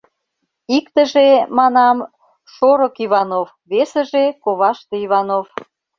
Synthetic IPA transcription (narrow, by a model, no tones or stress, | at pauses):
ikt̪ə̆ʒemɑnɑm | ʃoɾokiβɑnov | βesə̆ʒekoβɑʃt̪eiβɑnof